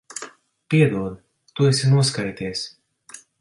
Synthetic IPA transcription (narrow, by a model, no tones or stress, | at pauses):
piɛd̪uɔd̪ | t̪uɛsʲinuɔskajt̪ʲiːsʲ